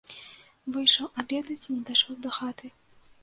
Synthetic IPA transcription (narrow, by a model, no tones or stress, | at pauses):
vɨjʂɐwabʲɛd̪ɐt͡sʲinʲɛd̪ajʂɔwd̪ɐxat̪ɨ